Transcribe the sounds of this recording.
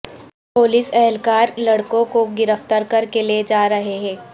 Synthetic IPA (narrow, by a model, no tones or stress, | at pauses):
poːlisɛɦɛlkaːɾlɐɽkõkoɡɪɾəft̪aɾkɐɾkeled͡ʒaːɾɐɦeɦɛ̃ː